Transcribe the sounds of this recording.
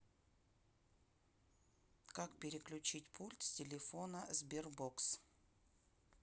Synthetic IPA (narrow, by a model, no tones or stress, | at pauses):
kakpʲɪɾʲɪklʲʉt͡ɕitʲpʰulʲt̪sʲtʲɪlʲɪfonəzbʲɪrboks